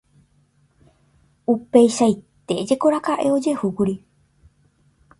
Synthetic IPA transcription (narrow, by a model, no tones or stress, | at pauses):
upejʃait̪e̞d͡ʒe̞ko̞ɾakaʔe̞o̞d͡ʒe̞hukuɾi